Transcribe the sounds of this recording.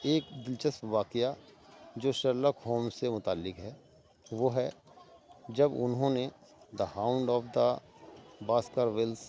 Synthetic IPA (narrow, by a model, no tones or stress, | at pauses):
eːkd̪ɪlt͡ʃəspʋaːkɪjad͡ʒoːʃəɾləkɦoːmsemʊt̪aːlːɪkɦɛː | ʋoɦɛ | d͡ʒɐbʊ̰nɦõne | d̪əhaːʊ̃ɳɖɔːfd̪a | baːskaɾʋɪls